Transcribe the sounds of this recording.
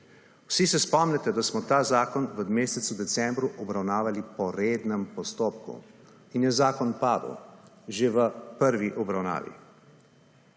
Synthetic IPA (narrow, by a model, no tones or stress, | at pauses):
wsisɛspɔmnɛt̪ɛd̪asmɔt̪aːzaːkɔnʋəd̪meːsɛt̪sud̪ɛt̪sɛmbɾuʔɔbɾawnaːʋalipɔɾed̪nɛmpɔst̪oːpkṵ | injɛzaːkɔnpaːd̪ə̰w | ʒeʋəpəɾʋiʔɔbɾawna̰ːʋḭ